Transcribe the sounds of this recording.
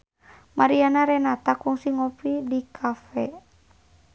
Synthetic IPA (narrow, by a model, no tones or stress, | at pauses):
maɾianaɾɛnat̪akuŋsiŋɔpidikʰafɛ